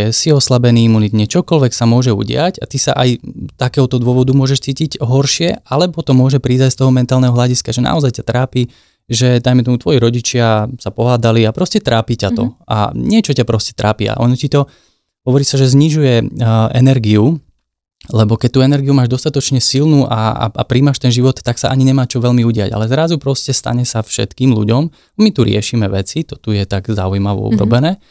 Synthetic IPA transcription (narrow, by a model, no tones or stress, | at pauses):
ɛsiɔslabɛniːimunit̪ɲɛt͡ʃɔkɔlʋɛksamʊɔʒɛṵɟɪaca̰t̪isa̰ʔajt̪akɛːɦɔt̪ɔd̪ʊɔʋɔd̪umʊɔʒɛʃt͡siːcicɦɔɾʃɪɛalɛbɔt̪ɔmʊɔʒɛpɾiːzacst̪ɔɦɔmɛnt̪aːlnɛɦɔɦlʎaɟiskaʒɛna̰ɔzajcat̪ɾaːpi | ʒɛd̪ajmɛt̪ɔmut̪ʋɔjiɾɔɟit͡ʃɪasapɔɦaːd̪aliapɾɔscɛt̪ɾaːpicat̪ɔʔa̰ɲɪɛt͡ʃɔcapɾɔscɛ̥t̪ɾa̰ːpia̰ʔɔ̰nɔcit̪ɔ | ɦɔʋɔɾiːsaʒɛzɲiʒujɛɛnɛɾɡiu | lɛbɔkɛc̚t̪uːɛnɛɾɡiumaːʒd̪ɔst̪at̪ɔt͡ʃɲɛsilnuːʔaa̰apɾiːmaʃt̪ɛnʒiʋɔt̪ːaksaʔaɲiɲɛmaːt͡ʃɔʋɛʎmiuɟɪa̰ɟa̰lɛzɾazupɾɔscɛst̪a̰ɲɛsafʃɛ̰t̪kiːmlṵɟɔm | amit̪uɾɪɛʃimɛʋɛt͡sit̪ɔt̪ujɛt̪aɡzaujmaʋɔ̰ṵbɾɔ̰bɛnɛː